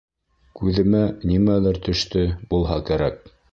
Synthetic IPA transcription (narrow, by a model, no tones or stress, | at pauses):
kʉðɘ̆mænimælæɾt̪ɵ̆ʃt̪ɘbulˠɦɑkæɾæk̚